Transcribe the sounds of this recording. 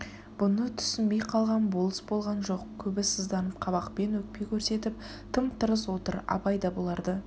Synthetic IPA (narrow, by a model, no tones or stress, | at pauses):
b̥ʊnət̪ʰʏ̥sɪnbe̞jqʰɑlˠʁɑnbo̞lˠəsbo̞lˠʁɑnʒo̞qkʲʰɵbɪsəzd̪ɑnəp̚qʰɑβɑqpe̞nwɵk̚pe̞jkʲʰɵɾse̞t̪ɪp̚ | t̪ʰəmt̪ʰəɾəswo̞t̪əɾɑ̰pɑjd̪ɑbo̞lˠɑɾd̪ə